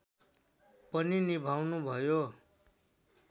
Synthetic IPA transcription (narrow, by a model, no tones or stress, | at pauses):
pʌninibʱawnubʱʌjo